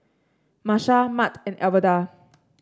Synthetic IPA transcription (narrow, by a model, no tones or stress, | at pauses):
maʃamatɛ̃nʔɛvəda